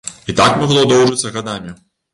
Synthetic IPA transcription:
it̪akmaɣlˠɔd̪ɔwʐɨt̪sːɐɣad̪amʲi

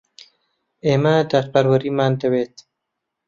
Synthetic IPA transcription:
emad̪atpaɾwaɾimaːnd̪awet̪

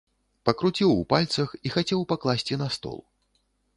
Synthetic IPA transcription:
pɐkɾut͡sʲiwupalʲt̪sɐxixat͡sʲɛwpaklˠasʲt͡sʲinɐst̪ɔ̰lˠ

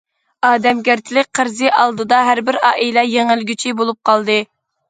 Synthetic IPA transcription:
ɑːd̪ɛmɡʲæɾt̪ʰɪlɪk̚ʲqʰəɾzɨʔɑlˠd̪ɨd̪ɑɦæɾbɪɾɑ̰ːʔilɛjeŋɪlɡʲyt͡ʃʰibolˠup̚qʰɑlˠd̪ɨ

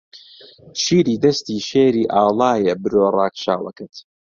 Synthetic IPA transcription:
ʃiːɾiːd̪ɐst̪iːʃeːɾiːʔaːlˠaːjɛbɨɾoːrˤaːkʃaːwɐ̰kɨt̪

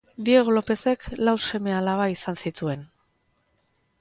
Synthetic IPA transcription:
bieɣlo̞pe̞se̞klawse̞me̞alaβaisansit̪ue̞n

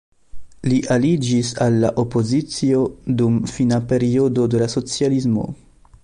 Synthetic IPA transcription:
liʔalid͡ʒisalːa̰ʔo̞po̞zit͡sio̞dumfinape̞ɾio̞do̞de̞laso̞t͡sialismo̞̰

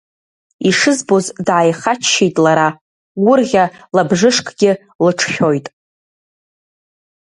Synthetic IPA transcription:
iʂɨzbo̞zdʕajχat͡ʃʰːejtʼlaɾa | wʊrʁʲalabʐɨʂkʼʰɡʲɪ | lɨʈ͡ʂʰχʲo̞jtʼ

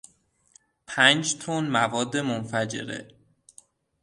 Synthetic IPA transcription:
pʰænd͡ʒt̪ʰonmævɒːd̪ːe̞monfæd͡ʒe̞̰ɾḛ

